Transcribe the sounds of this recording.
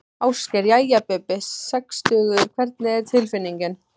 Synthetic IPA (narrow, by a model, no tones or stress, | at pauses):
awscɛɾjajapɛpɛsːɛkst̪œːɣʏʏɾkʰvɛɾt̪nɪɛɾ̥t̪ʰɪlfɪnːiɲcɪn